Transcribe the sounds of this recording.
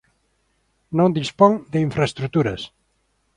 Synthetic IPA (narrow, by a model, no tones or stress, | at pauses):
nõnd̪ispoŋd̪eiɱfɾaest̪ɾut̪uɾɐs